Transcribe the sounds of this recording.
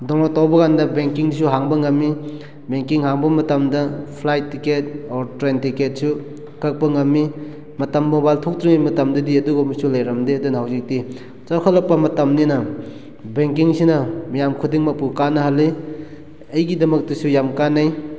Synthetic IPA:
dɔŋlatawbɐɣandɐbeŋkiŋdisuɦaŋbɐŋɐmːi | beŋkiŋhaŋbɐmɐtɐmdɐpʰlajtːiket̚ɔɾtɾentiket̚su | kɐk̚pɐŋɐmːi | mɐtɐmːobajltʰok̚tɾiŋimɐtɐmdɐdiɐduɡomisulɐjɾɐmdeɐdunɐhawzik̚ti | t͡ʃaɾkʰatlɐk̚pɐmɐtɐmninɐ | beŋkiŋsinɐmijamkʰudiŋmɐpukanːɐɦɐlːi | ɐjɡidɐmɐk̚tɐsujamkanɐj

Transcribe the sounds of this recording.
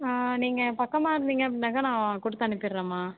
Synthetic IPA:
aːniːŋɡɐpɐkːɐmaːɪɾɯnd̪iːŋɡɐɐɽnaːkɐnãːkʊɽɯt̪ːɐnɪpːɪɾːẽːmaː

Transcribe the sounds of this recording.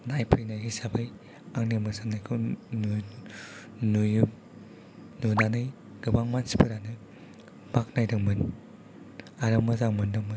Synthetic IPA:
najpʰɯjnajɡɯsabɯj | aŋnemɯsanajkʰɯn | nuju | nudanɯj | ɡɯbaŋmansi̥pʰɯɾanɯ | bak̚najdɯŋmɯn | aɾɯmɯzaŋmɯndɯŋmɯn

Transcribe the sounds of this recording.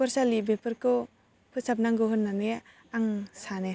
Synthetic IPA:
pɔɾsalibepɯɾkɯ | pʰɯsap̚naŋɡɯɦɯnːaneja | aŋsane

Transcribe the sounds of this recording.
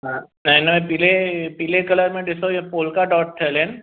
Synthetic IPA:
ɦã | nɐinɐmẽpilepilekɐləɾmẽɖɪsojepoːlkaɖɔːʈ̚ʈʰːɛlẽːn

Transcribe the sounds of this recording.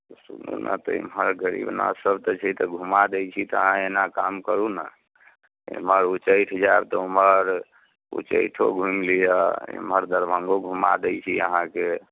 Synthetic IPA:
sunṵnʔə̰t̪ɔḭmɦəɾɡəɾḭbna̰səbt̪ɔt͡ʃʰɛt̪ɔɡʱumad̪ɛjt͡ʃʰit̪ɔəɦãenakamkəɾunə | ḛməɾut͡ʃəjʈʰd͡ʒab̚t̪ɔuməɾ | ṵt͡ʃə̰jʈʰoɡʱumlijəḭmɦəɾd̪əɾbʱə̃ŋɡoɡʱuma̰d̪ɛjt͡ʃʰiə̰ɦãke

